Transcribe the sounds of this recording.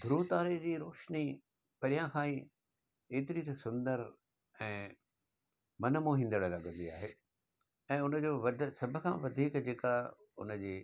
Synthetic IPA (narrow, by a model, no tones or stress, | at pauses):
d̪ʱʊɾuːt̪aːɾed͡ʑiːɾoːʃni | pɐɾijãkʰãːĩ | eːt̪ɪɾit̪ɐsʊ̃nd̪əɾ | ɛ̃ː | mɐnəmoːɦĩːnd̪əɽlɐɡə̃nd̪ia̰ːɦeː | ɛ̃ːʊnə̆d͡ʑoːʋɐd̪sɐbʱə̆kʰãːʋɐd̪ʱiːkd͡ʑeːka | ʊ̰nə̆d͡ʑiː